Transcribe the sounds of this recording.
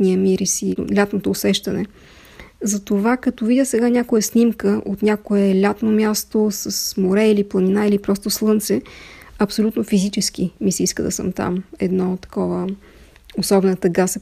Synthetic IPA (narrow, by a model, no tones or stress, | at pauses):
t̪niəmiɾisḭlʲat̪not̪oːsɛʃt̪ɐnɛ | zɐt̪ovakɐt̪ovid̪ʲəsɛɡanʲakojəsnʲimkəʔot̪nʲakoɛlʲat̪nomʲjast̪osəsmoɾɛiliplˠɐninailipɾɔst̪oslˠɤnt̪sɛɐpsolʲut̪nofizit͡ʃɛsk̟imisɛiskəd̪ɐsə̰mt̪a̰mɛd̪nɔt̪ːɐ̥kɔvə | osɔbɛnət̪əɡas